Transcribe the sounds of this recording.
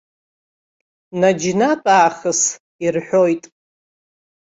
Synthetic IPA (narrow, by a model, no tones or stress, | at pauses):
nad͡ʒnatʼaːχəs | irħʷᶣojtʼ